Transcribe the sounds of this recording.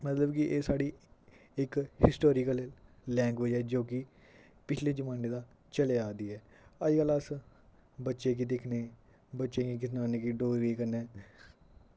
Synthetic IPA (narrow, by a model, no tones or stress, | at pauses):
mət̪ləbkɪʔeːsaːɽiːɪkhɪsʈoːɾɪːkəlːɛ̃ːŋɡʋɪd͡ʒɦɛːd͡ʒoːkɪ | pɪt͡ʃʰleːd͡ʒəmaːneːd̪aː | t͡ʃəleaːd̪iːɛː | əd͡ʒkələs | bətːʃeːk̬id̪ekʰneː | bətːʃeːkik̬ɪnaːneːkiɖoːɾiːkəɾnɛː